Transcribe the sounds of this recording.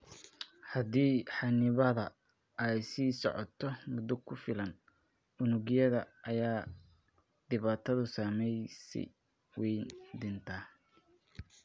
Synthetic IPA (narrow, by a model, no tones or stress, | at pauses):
hɐd̪iːħɑnɪβɐðɐ | ɛjsiːsɔ̰ʕɔ̰t̪ʰɔmʊd̪ʊkʰʊfɪlɐn | ʊnʊɣɪjɐðɐʔɐjaː | d̪̥ɪβaːt̪ʰɐðʊsaːmɛjsɛ̰ | wɛjnd̪ɪnt̪ʰa